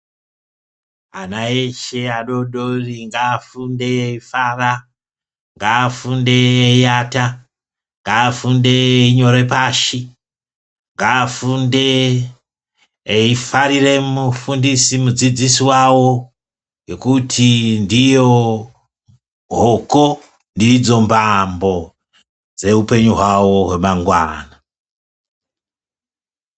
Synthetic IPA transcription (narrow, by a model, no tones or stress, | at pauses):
anaeʃeaɗoɗoriŋɡaːfunde̞eifaːra | ŋɡaːfunde̞ejata | ŋɡaːfunde̞eiɲo̞ɾe̞paːʃi | ŋɡaːfunde | eifaɾire̞mufundisimud͡zid͡zisiwawo̞ | jo̞kutʰindijo | ɦoko | ndid͡zo̞mbambo̞ | d͡ze̞upe̞ɲuɦwawo̞ɦwe̞maŋɡwa̰ːna